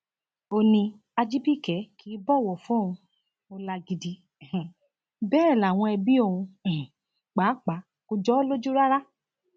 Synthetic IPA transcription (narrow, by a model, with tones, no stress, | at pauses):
o˧nĩ˧ | a˧d͡ʒi˦bi˦˨kɛ˨˦kʰi˨˦bɔ˦˨wɔ˨fɔ̃˦˨ũ˧ | o˧la˧ɡi˧di˨˧˦ | bɛː˦˨la˨w̃ɔ̃˧ɛ˧bi˦o˦˧˨ũ˧˨ | k͡paː˨˦k͡pa˨˦ | ko˧d͡ʒɔ˦lo˦d͡ʒu˦ɾa˦ɾa˦